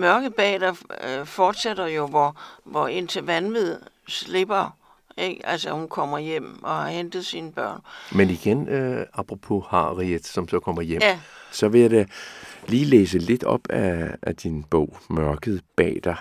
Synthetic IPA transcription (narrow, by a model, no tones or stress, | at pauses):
mɶɐɡ̥əð̩ˠb̥ɛ̰ːd̥ɐfɒːd̥sed̥ɐjo̝ʋɒʋɒe̝n̰t͡sʰe̝ʋænʋið̰ˠ | sle̝b̥ɐ | eɡ̥ælsəhunkʰɒ̽m̰ɐjem̰ʔɒ̽hɑ̈hend̥ð̩ˠsiːnəb̥ɶɐ̰nmeniɡ̥enɑ̈b̥ʰʁopʰo̝hɑ̈ʁied̥sɒ̽msɒ̽kʰɒ̽m̰ɐjem̰sɒ̽ʋe̝jadeliːlḛːs̬əle̝d̥ɒ̽b̥æːd̥inb̥ɔ̰ʊ̰mɶɐɡ̥ð̞̩ˠb̥ɛ̰ːd̥ɑ